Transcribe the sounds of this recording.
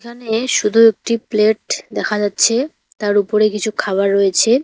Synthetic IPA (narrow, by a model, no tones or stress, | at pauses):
ekʰaneʃud̪ʱuek̚ʈipleʈd̪ɛkʰad͡ʑatːɕʰe | t̪aɾupoɾekit͡ɕʰukʰaβaɾːoet͡ɕʰe